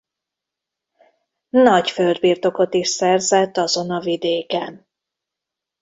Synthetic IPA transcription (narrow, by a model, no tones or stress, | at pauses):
nɒcføld̪biːrt̪o̞ko̞t̪iʃsɛrzɛt̪ːɒzo̞nɒvid̪eːkɛn